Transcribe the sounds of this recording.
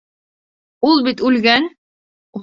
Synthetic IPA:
ulˠbit̪ʉlɡæn

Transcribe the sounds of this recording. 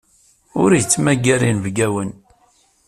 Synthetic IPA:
ʊɾjət͡sːmæɡæɾinvɡæwən

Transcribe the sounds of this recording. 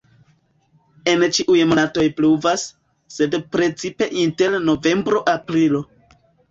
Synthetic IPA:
e̞nt͡ʃiʔujmonato̞jpluvasː | e̞dpɾe̞t͡sipe̞ʔinte̞ɾno̞ve̞mbɾo̞ʔapɾilo̞

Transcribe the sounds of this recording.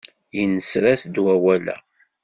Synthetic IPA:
jənəsɾæsd̪wæwælæ̰

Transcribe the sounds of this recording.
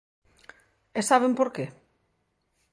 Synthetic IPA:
esaβ̞empoɾke

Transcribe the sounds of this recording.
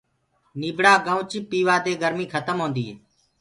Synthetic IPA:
niːbɽaːɡə̃ːʊt͡ʃipiːʋaːd̪eːɡəɾmiːkʰət̪əmɦõːnd̪iː

